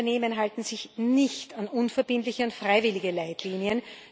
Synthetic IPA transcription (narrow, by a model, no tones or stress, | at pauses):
ɐneːmənɦaltn̩zɪçnɪçtanʔʊnfɛɐbɪntlɪçəʊntfʁ̥aɪvɪlɪɡəlaɪtʰliːniən